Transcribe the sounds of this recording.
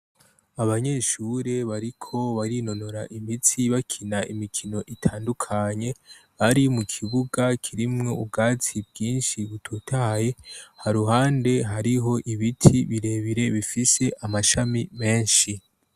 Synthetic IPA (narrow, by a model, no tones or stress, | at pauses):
aβaɲe̞ʃuɾe̞βaɾikʰo̞βaɾino̞no̞ɾaʔimit͡siβakʰinaimikʰino̞ʔitʰaːndukʰaɲe̞βaɾimukʰiβuɡakʰiɾimŋo̞ub̚ɡaːt͡sibɡiːnʃiβutʰutʰaje̞haɾuɦaːnde̞ɦaɾiɦo̞ʔiβitʰiβiɾe̞βiɾe̞βifise̞ʔamaʃamime̞ːnʃi